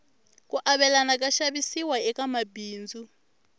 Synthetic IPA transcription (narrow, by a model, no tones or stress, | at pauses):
kʼuʔaβɛlanak̬ʼaʃaβisiwaɛkamabiːnd͡zu